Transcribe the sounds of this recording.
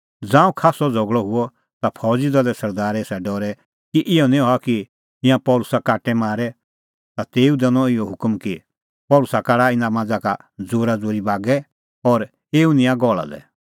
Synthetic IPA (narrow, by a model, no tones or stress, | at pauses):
d͡zãːũkʰaːsɔd͡zʱɔɡɭɔɦʊɔ | t̪apʰɔːd͡zid̪ɔlɛsɐɾd̪aːɾɛsɛɖɔːɾɛ | kiʔɪɔnĩɦɔaki | ɪ̃ãpɔːlʊsakaːʈɛmaːɾɛ | t̪at̪eːud̪ɛnɔ̃ɪjɔɦʊkmki | pɔːlʊsakaɽaɪnamãd͡zakad͡zoːɾad͡zoːɾibaːɡɛ | ɔɾ | eːunɪ̃ãɡɔːɭa̰d̪ɛ̰